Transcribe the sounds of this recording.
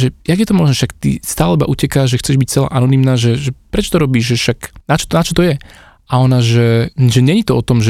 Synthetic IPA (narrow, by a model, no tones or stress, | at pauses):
ʒɛjaɡjɛt̪ɔmɔʒnɔʃakt̪ḭst̪aːlɛibaʔucɛkaːʒɛxt͡sɛʒbic̚t͡sɛla̰ːʔanɔnimnaːʒɛʒɛpɾɛt͡ʃɔ̥t̪ɔɾɔbiːʒʒɛʃaknat͡ʃɔ̥t̪nat͡ʃɔt̪ɔjɛ | aɔnaʒɛʒɛɲɛɲit̪ɔɔt̪ɔmʒɛ